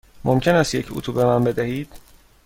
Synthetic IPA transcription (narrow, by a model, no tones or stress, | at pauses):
mʔomcʲʰe̞næst̪je̞cʰṵt̪ʰube̞mænbe̞d̪æhiːd̪̥